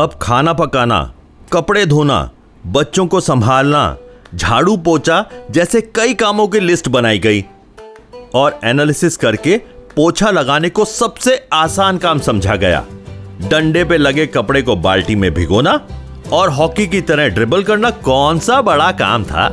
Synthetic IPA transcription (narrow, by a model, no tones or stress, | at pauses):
ɐb̚kʰaːnapɐkaːna̰ | kɐpɽed̪ʱoːna̰ | bɐtːʃõkosɐ̃mbʱaːlna̰d͡ʒʱaːɽupoːt͡ʃad͡ʒɛːsekɐikaːmõk̬ilɪsʈbɐnaːiɡɐiː | ɔːɾɛːnaːlɪsɪskɐɾkepoːt͡ʃʰalɐɡaːnekosɐbseaːsaːnkaːmsɐ̃md͡ʒʱaɡɐja̰ːɖɐ̃ɳɖepelɐɡekɐpɽekobaːlʈimẽbʱɪ̰ɡoːna | ɔːɾɦɔːkik̬it̪ɐɾəɦɖɾɪbəlkɐɾnakɔːnsabɐɽaka̰ːmt̪ʰa̰ː